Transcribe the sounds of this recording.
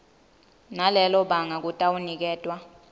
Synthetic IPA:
nalɛlɔɓaŋak̬utʼawunik̬ɛːtʼwa

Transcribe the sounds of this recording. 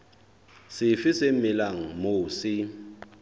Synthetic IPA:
sɪfɪsemɪlaŋ̩moːsi

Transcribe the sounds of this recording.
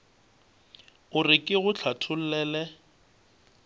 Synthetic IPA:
ʊrɪkʼɪɣʊt͡ɬʰatʰʊl̩lɛːlɛ

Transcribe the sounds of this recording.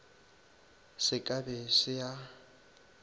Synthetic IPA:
sɪkʼabɛsɪja

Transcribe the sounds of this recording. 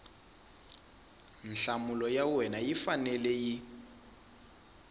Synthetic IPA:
n̩ɬamulɔjawɛnajifanɛlɛji

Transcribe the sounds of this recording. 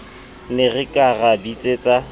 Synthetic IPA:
nɪrɪkʼarabit͡sʼet͡sʼa

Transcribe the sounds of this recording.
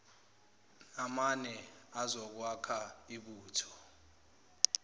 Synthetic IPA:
amanɛazɔk̬wakʰaiɓuːtʰɔ̥

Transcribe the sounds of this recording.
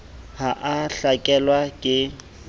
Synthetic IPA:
haʔaɬakʼɛlwakʼɪ

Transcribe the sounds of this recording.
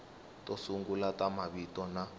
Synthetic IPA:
tosuŋɡulatamaβitɔna

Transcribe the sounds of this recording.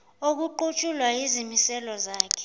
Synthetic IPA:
ok̬uǃut͡ʃʼulwajizimisɛlɔzaːkʰɛ̥

